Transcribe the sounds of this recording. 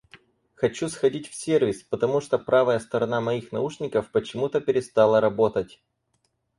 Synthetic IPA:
xɐt͡ɕusxɐdʲitʲfsʲervʲɪspət̪ɐmuʂt̪opɾavəjəst̪əɾɐnamɐixnɐuʂnʲɪkəfpət͡ɕɪmut̪əpʲɪɾʲɪst̪alˠəɾɐbo̞t̪ətʲ

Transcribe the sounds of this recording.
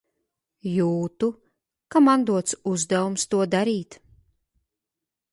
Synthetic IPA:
juːt̪u | kamand̪uɔt̪suzd̪ɛvumst̪uɔd̪aɾiːt̪

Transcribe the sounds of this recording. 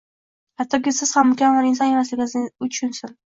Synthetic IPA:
hat̪ʰːɒkʲɪsɪz̥hamːʊkʲamaɾɪnsɒnjemaslɪɡʲɪnɪznɪʊt͡ʃʰʊnsʊn

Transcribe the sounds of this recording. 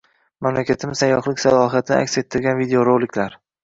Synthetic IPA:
mamlakʲat̪ʰɪmɪsajːɒχlɪkʲsalˠɒɦiat̪ʰɪnɪ̰a̰kʲse̞t̪ʰːɪɾɡʲanvid̪eoɾolɪkʲlaɾ

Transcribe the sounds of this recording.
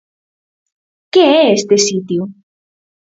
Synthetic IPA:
keɛest̪esit̪ju

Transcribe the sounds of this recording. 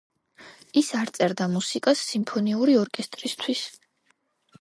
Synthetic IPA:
isaɾt̪sʼɛɾd̪amusikʼasːimpʰɔniuɾiɔɾkʼɛst̪ʼɾist̪ʰwis

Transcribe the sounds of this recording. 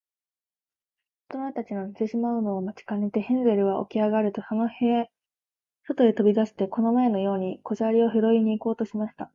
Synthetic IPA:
o̥t̪onoet̪at͡ɕino̞nʲise̞ɕimaɯ̟no̞ːmat͡ɕi̥kanet̪e̞hẽ̞nze̞ɾɯ̟βaʔo̞̰kʲiaɡaɾɯ̟t̪o̞sono̞he | sot̪o̞et̪o̞bʲid̪aɕi̥t̪e̞ko̞no̞mae̞no̞jo̞ːɲ̟iko̞ʑaɾʲio̞çiɾo̞iɲ̟iːko̞ːt̪o̞ɕimaɕi̥t̪a

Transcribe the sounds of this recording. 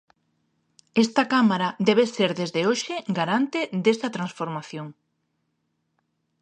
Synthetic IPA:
est̪ɐkamaɾad̪ɛβ̞eseɾðezðeoʃeɡaɾant̪ed̪est̪ɐt̪ɾansfoɾmaθjoŋ

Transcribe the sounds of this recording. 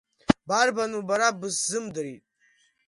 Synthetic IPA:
barbanubaɾabɨszɨmdɨɾitʼ

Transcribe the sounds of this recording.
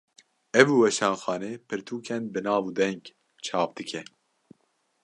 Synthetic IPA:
ɛvuːwɛʃɑːnxɑːneːpʰɨɾt̪ʰuːkʰɛnbɨnɑːvuːd̪ɛŋɡ | t͡ʃʰɑːpd̪̥ɨkʰɛ

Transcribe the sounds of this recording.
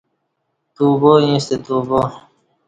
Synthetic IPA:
t̪uːboːĩːst̪et̪uːboː

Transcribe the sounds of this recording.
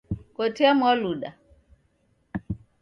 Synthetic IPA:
kɔtʰɛamwaluɗa

